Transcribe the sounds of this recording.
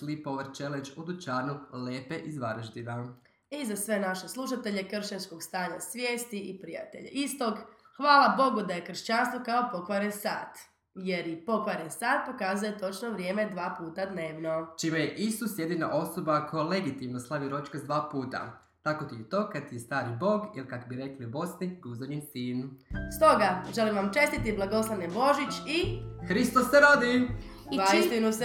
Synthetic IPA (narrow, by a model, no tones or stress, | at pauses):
slipo̞ʋəɾt͡ʃelend͡ʒud̪ut͡ʃaːnuleːpeʔizʋaɾəʒd̪ina | izasʋe̞naʃe̞slˠuʃat̪e̞ʎekr̩ʃeɲsko̞ɡst̪aːɲasʋjeːst̪iʔipɾija̰t̪ḛʎḛʔist̪o̞ɡxʋaːlabo̞ɡud̪aje̞kr̩ʃt͡ɕanst̪ʋokaopo̞kʋaɾensa̰ːt̪ | je̞ɾipo̞kʋaɾensaːt̪̚po̞kaːzujet̪o̞t͡ʃnoʋɾje̞ːme̞d̪ʋaːpuːt̪ad̪neːʋno̞t͡ʃiːmejeʔisusje̞d̪ina̰ʔo̞so̞bakʰo̞jle̞ɡit̪imnoslˠaʋiɾo̞t͡ʃkazd̪ʋaːpuːt̪a̰ | t̪akot̪iet̪o̞ːkad̪̚t̪ist̪aːɾibo̞ːɡilkakobiɾe̞kliubo̞sniɡuzaɲinsiːnst̪o̞ɡaʒe̞limʋamt͡ʃe̞st̪it̪iblˠaɡo̞slˠanebo̞ʒit͡ɕixɾist̪osːeɾod̪i | aist̪inus